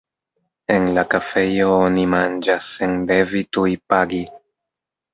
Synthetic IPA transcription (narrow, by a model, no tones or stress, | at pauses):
e̞nlakafe̞jo̞onimand͡ʒasːende̞vitujpaɡi